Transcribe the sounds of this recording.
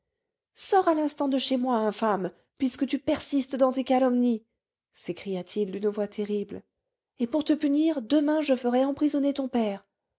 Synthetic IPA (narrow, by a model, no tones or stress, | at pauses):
sɔʁalɛ̃st̪ɑ̃d̪əʃemwaɛ̃fam | pɥiskət̪ypɛʁsist̪d̪ɑ̃t̪ekalɔmni | sekχijat̪ʰild̪ynvwat̪ʰeʁibl | epuʁt̪əpyniʁd̪əmɛ̃ʒəfəʁɛɑ̃pχizɔnet̪ɔ̃pɛːʁ